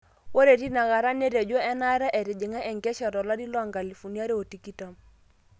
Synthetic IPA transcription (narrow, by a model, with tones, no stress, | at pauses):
wo˦ɾe˨ɾi˦na˨ɣa˨ɾa˦ne˦ɾe˨d͡ʒo˦ɛ˦na˦ɾɛ˦ʔɛ˨ɾɪ˨d͡ʒɪ˨ŋa˦ʔɛ˨ŋɡɛ˦ʃɔ˨ɾɔ˨la˦di˦lwa˦˨ŋɡa˨li˨fu˨nja˦ɾe˦o˨ti˨ki˦ta˦m